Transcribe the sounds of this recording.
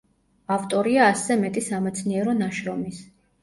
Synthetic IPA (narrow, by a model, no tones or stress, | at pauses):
aft̪ʼɔɾiaːsɛmɛt̪ʼisamɛt̪sʰniɛɾɔnaʃɾɔmis